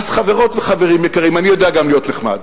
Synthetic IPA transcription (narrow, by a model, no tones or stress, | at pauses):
sχaveʁo̞tveχaveʁimjekaʁimanijo̞deaɡamlijo̞t̪neχma̰d